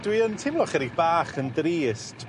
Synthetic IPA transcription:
d̥wiəntʰɪmlˠɔχɛɾib̥aːχəndriːstʰ

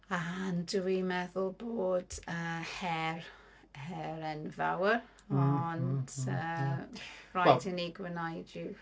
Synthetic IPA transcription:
andəwimɛðʊlˠboːd̥əhɛr | hɛɾɛnva̰wər | ɔndə̥ | rajdəniɡwənajdɪ

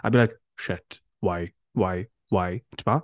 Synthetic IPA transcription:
ʔaɪbilaɪk | ʃɪt | waɪ | waɪ | waɪtʰma

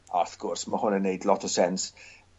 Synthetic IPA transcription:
aθɡ̥ɔrsməhʊnənːejdlɔtʰəsɛns

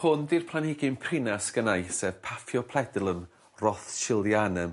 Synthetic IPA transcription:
hʊnðirpʰlˠanɪɡɪmpʰrɪnasɡ̥ənajsɛvpʰafjɔpʰlˠɛdlˠən | rɔθʃɪlˠdjanɛm

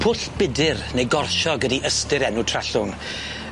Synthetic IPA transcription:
pʰʊɬb̥ɪdɪrnejɡɔrʃɔɡədiʔəstɪɾɛnʊtʰraɬʊŋ

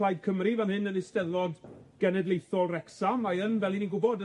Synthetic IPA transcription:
lajd̚kʰəmrivɛnhɨnənɪstɛlˠɔdɡ̥ɛnɛdlˠejθɔlˠrɛksamaənvɛlˠiniɡʊbɔdə

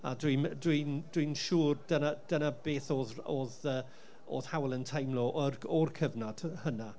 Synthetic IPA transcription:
a̰dwindwind̥winʃuːrd̥ənad̥ənabeːθoːðoːðəː | o̰ːð̥hawlˠəntʰajmlˠoːʔrɔrkʰəvnɔd̥həna

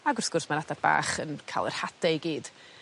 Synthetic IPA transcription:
aɡɔrθɡ̥ʊrsmanadaba̰ːχənkʰa̰ːlˠə̰r̥hadɛɡiːd̥

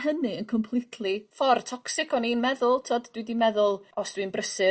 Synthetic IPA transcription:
ɦənɨənkʰɔmpʰlˠɪtʰlˠifɔrtʰɔksɪkʰɔninmɛðʊlˠtʰoːdd̥widimɛðʊlˠɔsd̥winbrəsɨ

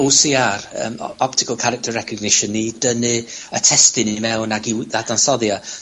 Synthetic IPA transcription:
usiːarə̰ːmɔp̚tʰɪ̥kʰəlˠkʰaɾɛk̚tʰərːɛkʰəɡnɪʃənːidənɨə̰tʰɛstɨnimɛwnaɡiðadansɔðja

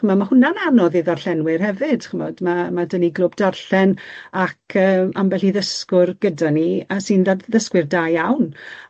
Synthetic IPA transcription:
əmamahʊnananɔðɨðarɬɛnwɪrhɛvɨd̥χəmɔdmamadəniɡlˠʊbdarɬɛnakʰəːmambɛɬiðəskʊrɡ̥ədaniasɨndaðəskwɨrdajawn

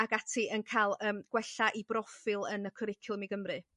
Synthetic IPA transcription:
aɡatʰiʔənkʰalˠəːmɡ̥wɛɬaʔibrɔfɨlˠənəkʰɔɾɪkʰʊlˠmiɡəmrɨ

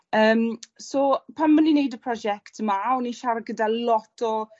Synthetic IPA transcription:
əːmsɔpʰanmːəninejdəpʰr̥ɔd͡ʒɛktʰəmaɔniʃaɾɡədalɔtʰɔ

